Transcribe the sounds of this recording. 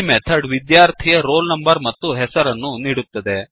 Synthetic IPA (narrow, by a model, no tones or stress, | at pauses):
met̪ʰɐɖʋid̪jaːɾt̪ʰijɐɾo̞ːlnɐmbɐɾmɐt̪ːuɦɛsɐɾɐnːuniːɽut̪ːɐd̪e